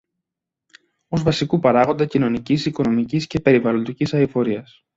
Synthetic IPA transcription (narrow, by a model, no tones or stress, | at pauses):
o̞zvɐsikupɐɾɐɣo̞nd̪ɐcino̞nicisiko̞no̞micisce̞pe̞ɾivɐlo̞nd̪icisɐifo̞ɾiɐs